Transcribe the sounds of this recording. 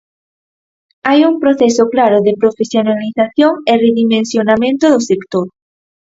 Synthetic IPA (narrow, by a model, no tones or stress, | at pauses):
ajumpɾoθɛsʊklaɾʊðɪpɾofesjonaliθaθjoŋereðimẽnsjonamẽnt̪ʊðʊsekt̪oɾ